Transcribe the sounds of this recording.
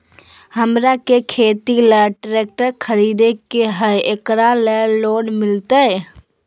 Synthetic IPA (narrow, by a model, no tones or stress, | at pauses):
ɦəmɾakekʰet̪iləʈɾek̚ʈəɾkʰəɾid̪ekeɦəjekɾaləlonmɪlt̪ə